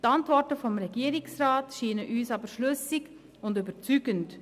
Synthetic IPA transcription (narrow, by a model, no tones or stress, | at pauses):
tɑntʋɔɹtəfɔmɾɛɡiːɾɪksɾaːtʃiːnəʔyːsɑbəɾʃlʏsɪɡ | ʊndybəɾt͡syːɡənt